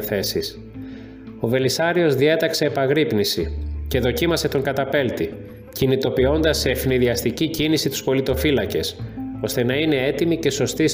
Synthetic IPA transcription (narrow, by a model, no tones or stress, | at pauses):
θe̞sis | o̞ve̞lisɐɾio̞zðie̞t̪ɐkse̞ːpɐɣɾipnisice̞ðo̞cimɐse̞t̪o̞ŋɡɐt̪ɐpe̞lt̪i | cinit̪o̞pio̞nd̪ɐsːe̞ːfniðiɐst̪icicinisit̪u̥spo̞lit̪o̞filɐce̞so̞st̪e̞nɐine̞e̞t̪imice̞so̞st̪is